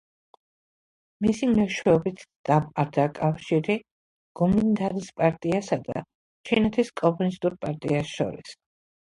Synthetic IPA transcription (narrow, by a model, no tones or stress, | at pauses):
misimnɛʃwɛɔbit̪ʰd̪̥amaɾd̪akʼafʃiɾi | ɡ̥ɔmind̪aɾispʼaɾt̪ʼiasad̪a̰ | t͡ʃʰinɛt̪ʰiskʼɔmunist̪ʼuɾpʼaɾt̪ʼḭasʃɔ̰ɾḭs